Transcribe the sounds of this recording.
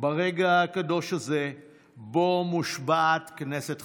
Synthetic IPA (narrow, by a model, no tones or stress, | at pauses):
baʁeɡaakad̪o̞ʃaze | bo̞muʃbaːt̪knese̞t̪